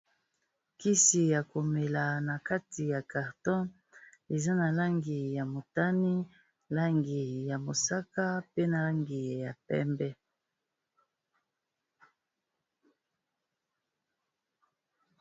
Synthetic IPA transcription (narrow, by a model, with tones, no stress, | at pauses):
ki˦si˨ja˨ko˨me˨la˨na˨ka˦ti˨ja˨ka˨ʁtɔ̃˦ | e˨za˦na˨la˦ŋɡi˨ja˨mo˨ta˦ni˦ | la˦ŋɡi˨ja˨mo˨sa˦ka˦pe˦na˨la˦ŋɡi˨ja˨pɛ̰˦mbɛ˦